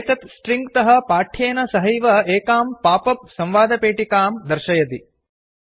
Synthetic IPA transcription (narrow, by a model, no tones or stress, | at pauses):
t̪ɐt̪sʈɾiŋɡt̪ɐɦɐpaːʈʰeːnɐsɐɦɐjʋɐeːkaːmpaːpɐp̚sɐmʋaːd̪ɐpeːʈikaːmd̪ɐɾʃɐjɐt̪i